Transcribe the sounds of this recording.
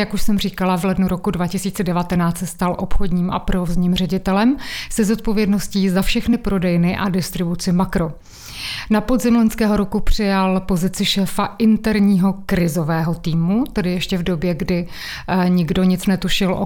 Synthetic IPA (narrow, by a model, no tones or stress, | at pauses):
jakuʃsɛmr̝iːkalavlɛdnuɾo̞kudvacɪsiːt͡sɛdɛvat̪ɛnaːt͡st̪sɛst̪alʔo̞pxodɲiːmʔa̰pɾozɲiːmr̝ɛɟɪt̪ɛlɛmsɛzo̞t̪̚po̞vjɛdno̞sciːzafʃɛxnɪpɾʔo̞dɛjnɪʔadɪst̪ɾɪbut͡sɪmakɾo̞ | napo̞zɪmloɲskɛːɦo̞ɾokupr̝̥ɪjalpo̞zɪt͡sɪʃɛːfaʔɪnt̪ɛɾɲiːɦo̞kɾɪzo̞vɛːɦo̞t̪iːmut̪ɛdɪjɛʃcɛvdo̞bjɛɡdɪ | ɲɪɡdo̞ɲɪt͡snɛt̪uʃɪlʔo